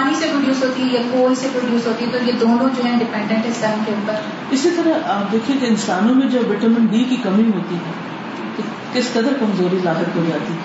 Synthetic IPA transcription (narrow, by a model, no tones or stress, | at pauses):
aːɦisepɾʊɖjuːsɦoːt̪iɛjɐkoːisepɾoɖjuːsɦoːt̪iɛt̪ojed̪oːnõd͡ʒoːɦɛ̃ɖɪpɛ̃ɳɖɛ̃ɳʈɛst̪aːnkeʊpəɾ | ɪsit̪ɐɾəɦaːp̚d̪eːkʰiẽkeɪnsaːnõmẽd͡ʒɐbʋɪʈəmɪ̃nbiːkikɐmĩɦoːt̪iɦɛː | t̪o | kɪskɐd̪əɾkɐmzoːɾilaːɦət̪̚kod͡ʒaːt̪iɛ